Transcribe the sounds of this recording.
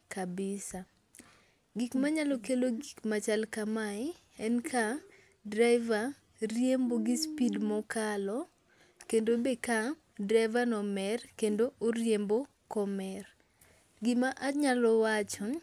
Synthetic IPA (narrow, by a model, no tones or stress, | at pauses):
kabɪsa | ɡikmaɲalɔkeloɡikmat͡ʃalkamaɪ | ɛnkʰa | draɪva | rjemboɡɪspidmɔkalɔ | kendobeka | dɾaɪvanɔmɛrkendoʔorjembo | kɔmɛr | ɡɪmaʔaɲalɔwat͡ʃɔ